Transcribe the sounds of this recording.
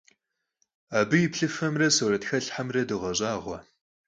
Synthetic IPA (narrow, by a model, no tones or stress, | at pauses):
aːbɨjɪpɬɨfɐmrɐsoɾɐtxɐɬħamrɐdɨʁɐɕʼaːʁʷɐ